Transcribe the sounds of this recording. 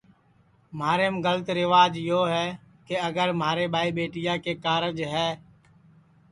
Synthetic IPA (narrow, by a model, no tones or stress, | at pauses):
maːɾeːmɡələt̪ɾɪʋaːd͡ʒjoːɦɛː | keəɡəɾmaːɾeːbʱaːiːɓeːʈɪjaːkeːkaːɾəd͡ʒɦɛː